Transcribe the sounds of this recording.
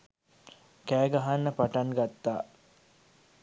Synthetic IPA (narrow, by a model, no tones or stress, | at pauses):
kæːɡaɦanːəpaʈaŋɡat̪ːaː